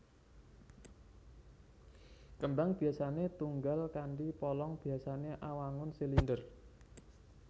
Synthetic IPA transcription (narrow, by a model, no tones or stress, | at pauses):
kəmbaŋb̥i̤asanet̪uŋɡalkaɳɖipɔlɔŋb̥i̤asaneʔawaŋʊnsilindər